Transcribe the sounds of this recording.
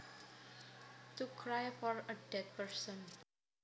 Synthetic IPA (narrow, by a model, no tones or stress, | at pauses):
t̪ukʰɹajfɔɹədɛt̪̚pəɹsə̃n